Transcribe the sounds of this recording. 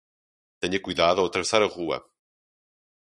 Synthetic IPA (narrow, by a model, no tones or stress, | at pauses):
t̪ɛɲɐkujðaðuɐwɐt̪ɾɐvesaɾɐʁuɐ̰